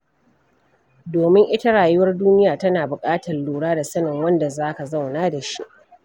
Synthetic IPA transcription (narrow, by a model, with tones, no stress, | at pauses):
doː˨mɪ˦ŋʔɪ˦ta˦ɽaː˨jʊ˦wɐ˦rduː˦nɪ˦jaː˨tɐ˦naː˨bʊ˨kʼaː˦tɐ˨rluː˨ɽaː˦da˨sɐ˦nɪ˨ŋwɐ˦nda˨zaː˦ka˨za˦˨wnaː˦da˨ʃi˦ʔ